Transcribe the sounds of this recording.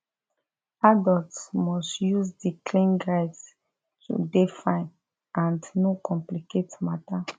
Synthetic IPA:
adɔltmɔstjuzdikʰlĩnɡaɪds | tʰṵdefãɪ̃n | ãndnokɔ̃mpliketmata

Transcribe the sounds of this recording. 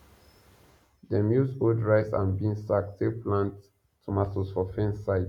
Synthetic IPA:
dəmjusodɹaɪsã̰nbĩŋsak̚teplãntʰː | umasəsfɔfɛ̃nsaɪt

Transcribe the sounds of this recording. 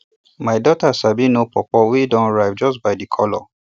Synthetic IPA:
maɪdɔtasabinopɔpɔwidɔ̃nɹaɪvd͡ʒɔsbaɪdikʰɔ̰lɔ̰

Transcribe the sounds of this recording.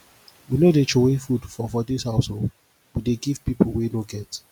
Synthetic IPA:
winodet͡ʃowefudfɔfɔdishaʊshol | wideɡiv̥pipʰol̩wenoɡɛt

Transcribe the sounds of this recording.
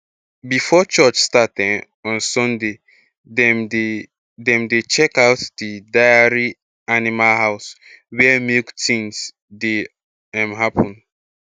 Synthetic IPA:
bifɔt͡ʃɔt͡ʃstatɛ | ɔ̃nsɔ̃nde | dɛ̃mdet͡ʃɛkaʊtdidaɪaɹi | animalɦaʊs | wɛmektĩŋs | de | ãmɦapʰɔ̃n

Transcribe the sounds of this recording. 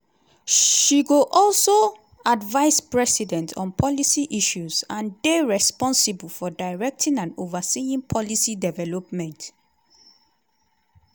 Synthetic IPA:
ʃiɡoʔɔlso | advaɪspɹɛsidɛ̃ntʰɔ̰̃npʰɔlisiʔiʃuzãndeɹɛspɔ̃nsibulfɔdaɪɹɛk̚tʰĩnãnovasiĩŋpʰɔlisidɛvɛlopmɛ̃nt

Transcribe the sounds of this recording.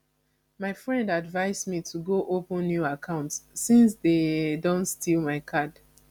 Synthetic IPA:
maɪfɹɛ̃ndadvaɪzmitʰuɡoʔopə̃nːjuakʰãʊ̃ntsːĩnsdedõntstʰilˠmaɪkʰad

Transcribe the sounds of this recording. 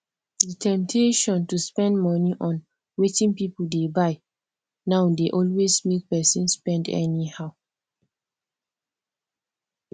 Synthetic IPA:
ditʰɛ̃mtʰeʃɔ̃ntuspɛ̃ndmɔniʔɔ̃n | wetĩnpipuldebaɪ | naʊwdeʔɔlwesmek̚pɛsĩnspɛ̃ndɛ̰nihaʊ

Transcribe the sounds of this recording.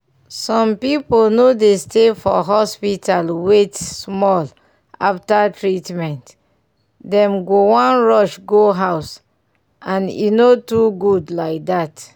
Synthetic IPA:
sɔ̃mpipolnodestefɔɦɔspitʰalwetsmɔl | a̰ftatɹitmɛ̃nt | dɛ̃mɡowãnɹɔʃɡoɦaʊs | ãnḭnotuɡudlaɪk̚dat

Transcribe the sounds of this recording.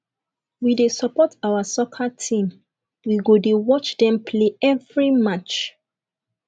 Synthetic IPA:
widesɔpɔtawasɔkʰatʰĩm | wiɡodewɔt͡ʃdɛ̃mpʰleɛvɹimat͡ʃ

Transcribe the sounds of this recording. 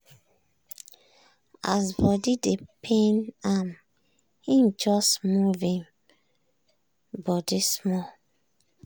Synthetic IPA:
asbɔdidepʰẽnam | hĩmd͡ʒɔsmuvĩn | bɔdismɔ

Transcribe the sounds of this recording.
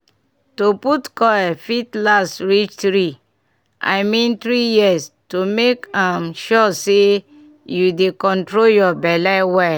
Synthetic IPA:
toputkɔɛfitlasɹit͡ʃtɾi | a̰ɪmĩnt̪ɾijiəstomekãmʃɔse | judekɔ̃ntɹoljɔbɛlɛwɛ

